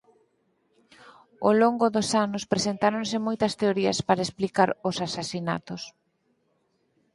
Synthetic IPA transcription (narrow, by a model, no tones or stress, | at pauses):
o̰loŋɡʊðosanʊspɾesent̪aɾonsɪmojt̪ɐst̪eoɾiɐ̰spaɾaesplikaɾʊsasasina̰t̪ʊs